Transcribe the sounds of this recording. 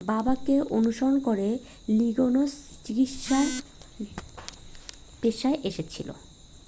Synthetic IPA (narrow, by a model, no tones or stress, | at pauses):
babakeʔonuʃoɾonkoɾe | liɡonost͡ɕiɡitʃaɾ | peʃaeʔeʃet͡ɕʰilo̰